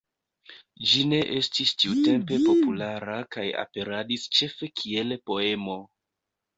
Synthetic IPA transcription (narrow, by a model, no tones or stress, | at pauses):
d͡ʒine̞ʔe̞stistiute̞mpe̞po̞pulaɾakaja̰pe̞ɾadist͡ʃe̞fe̞kʰie̞lpo̞e̞mo̞